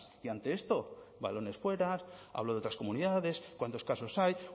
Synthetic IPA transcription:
iant̪e̞e̞st̪o̞ba̰lo̞ne̞sfwe̞ɾaa̰βlo̞ðot̪ɾasko̞muniðaðe̞skwant̪o̞skaso̞saj

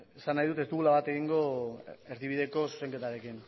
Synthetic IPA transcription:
esanːajðut̪e̞st̪uβulaβat̪e̞ɣiŋɡo̞e̞ɾðiβ̞iðe̞ko̞su̥se̞ŋke̞t̪aɾe̞kin

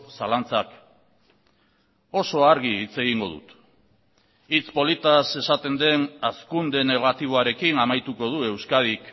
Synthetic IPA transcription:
salant͡sak | o̞so̞aɾɣiːt͡se̞ɣiŋɡo̞ðṵt̪ | it͡spo̞lit̪ase̞sat̪e̞nd̪e̞naskund̪e̞ne̞ɣ̞at̪iβ̞o̞aɾe̞kinamajt̪uko̞ð̞ue̞wskaðik

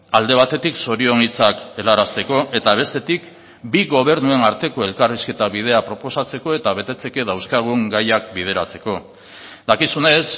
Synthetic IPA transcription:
ald̪e̞β̞at̪e̞t̪ikso̞ɾio̞ŋit͡sake̞laɾast̪e̞ko̞ʔe̞t̪aβ̞e̞st̪e̞t̪ik | biɣo̞β̞e̞ɾnue̞naɾt̪e̞ko̞e̞lkariske̞t̪aβið̞e̞apɾo̞po̞sat͡se̞ko̞e̞t̪aβ̞e̞t̪e̞t͡se̞ke̞ðawskaɣ̞uŋɡajak̚bið̞e̞ɾat͡se̞ko̞ | d̪akisune̞s

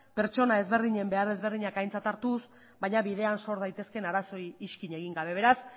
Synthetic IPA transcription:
pe̞ɾt͡ʃo̞nae̞zβe̞rðiɲe̞mbeare̞zβe̞rðiɲakajnt͡sat̪aɾt̪us | bajɲaβið̞e̞anso̞ɾðajt̪e̞ske̞naɾaso̞jːʃkiɲe̞ɣiŋɡaβ̞e̞β̞e̞ɾas

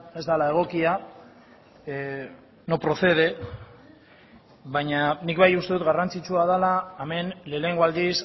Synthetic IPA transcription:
e̞zd̪alae̞ɣ̞o̞kia | no̞pɾo̞θe̞ð̞e̞ | βaɲanikβajust̪e̞ut̪ɣarant͡sit͡ʃuað̞alaːme̞nle̞ːne̞ŋɡoald̪is

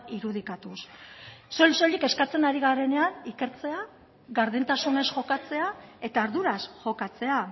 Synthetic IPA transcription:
iɾuð̞ikat̪usː | o̞ʎso̞ʎike̞skat͡se̞naɾiɣaɾe̞ne̞anike̞ɾt͡se̞a | ɣaɾðint̪asune̞sʝo̞kat͡se̞ae̞t̪aːɾðuɾasʝo̞kat͡se̞a

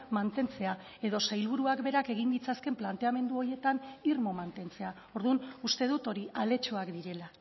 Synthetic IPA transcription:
mant̪e̞nt͡se̞a | e̞ðo̞sajlβ̞uɾuakbe̞ɾake̞ɣ̞ind̪it͡saske̞mplant̪e̞ame̞nd̪uo̞ɾje̞t̪anirmo̞mant̪e̞nt͡se̞a | o̞ɾðunust̪e̞ð̞ut̪o̞ɾiale̞t͡ʃoakd̪iɾe̞la

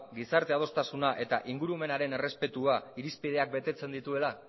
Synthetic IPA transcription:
ɡisaɾt̪e̞að̞o̞st̪asunaʔe̞t̪aʔiŋɡuɾume̞naɾe̞ne̞re̞spe̞t̪uaiɾispið̞e̞ak̚be̞t̪e̞t͡se̞nd̪it̪ue̞la

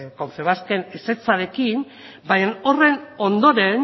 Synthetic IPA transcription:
konfeβ̞aske̞nese̞t͡saɾe̞kim | baɲano̞re̞no̞nd̪o̞ɾe̞n

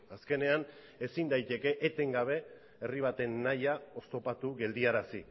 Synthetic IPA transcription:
aske̞ne̞an | e̞sind̪ajt̪e̞ke̞ʔet̪e̞ŋɡaβ̞e̞ | eriβ̞at̪e̞nːajao̞st̪o̞pat̪uɣe̞ld̪iaɾasḭ

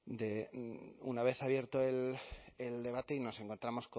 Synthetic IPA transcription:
d̪e̞ | ṵnaβe̞θaβje̞ɾt̪o̞eleld̪e̞β̞at̪e̞ino̞se̞ŋko̞nt̪ɾamo̞sk

